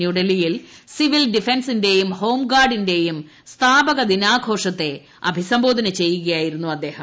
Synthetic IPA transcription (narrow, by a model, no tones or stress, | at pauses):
juɽɐlijilsiʋilɖifensinde̞jumho̞ːmɡaːrɖinde̞jum | st̪ʰaːbɐɣɐd̪inaːɡʱo̞ːʂɐt̪ːe̞ | ɐ̰bʱisɐmbo̞ːd̪ʱɐnɐt͡ɕe̞jːuɣɐjaːjiɾunːuɐd̪ːe̞ːhɐ